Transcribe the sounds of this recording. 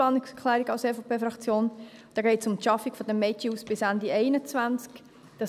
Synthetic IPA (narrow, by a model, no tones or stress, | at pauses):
ɑnkskʰlɛːɾiɡ̥ɑʊsefopʰeːfɾɑkt͡sjoːnd̥ɑːɡɛɪtsʊmʃɑfiɡ̥fɔd̥̪ɛmːɛt͡ʃiuːsb̥ɪsændieɪnət͡svænt͡sk | d̥ɑ